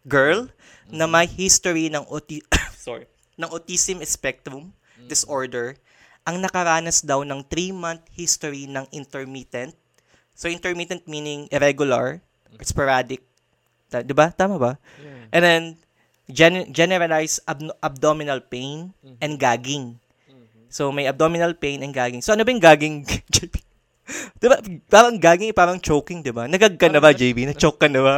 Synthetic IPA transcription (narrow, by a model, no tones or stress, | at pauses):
ɡɛɹl | nɐmɐjhist̪ʊɾinɐŋʔot̪sɔɹ | nɐŋʔot̪iːsɪmɛspɛk̚t̪ɾʊm | d̪ɪsʔoɹd̪ɛɹ | ʔɐŋnɐkɐɾaːnɐsd̪awnɐŋt̪ɾimãnθ̚hist̪oɾinɐŋʔɪ̃nt̪ɛɹmɪt̪ɛnt̪̚ | soʔɪ̃nt̪ɛɹmɪt̪ɛ̃nt̪̚minɪŋʔɪɾɛɡʊlɐɹ | ʔspɔɹaːd̪ɪk̚ | t̪d̪ɪbat̪aːmɐbɐ | ʔɛ̃nd̪ɛn | d͡ʒɛnd͡ʒɛnɛɾɐlajsɐbʔɐb̚d̪omɪnɐlpejn | ɛn̚ɡaːɡɪŋ | somɐjʔɐb̚d̪omɪnɐlpejnɛnɡaːɡɪŋsoʔɐnobɐjʊŋɡaːɡɪŋd͡ʒebi | d̪̥ɪbapaːɾɐŋɡaːɡɪŋpaːɾɐŋt͡ʃowkɪŋd̪ɪbanɐɡɐɡ̚kɐnːɐbad͡ʒejbinɐt͡ʃoːkːɐnːɐba